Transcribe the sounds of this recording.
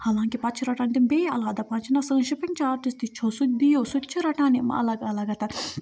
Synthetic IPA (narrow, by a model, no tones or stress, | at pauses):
hɐʋãːŋkipɐt͡ʃʰɾɐʈãːnʲt̪imbeːɐlaːd̪ɐpɐnt͡ʃʰnɐsə̃ːʃipɐŋt͡ʃaːɾʈist̪it͡ʃʰosut̪̚ʲd̪ijoːsut̪ʲt͡ʃʰiɾɐʈaːnim̰ɐ̰lɐɡɐlɐɡɐt̪ɐ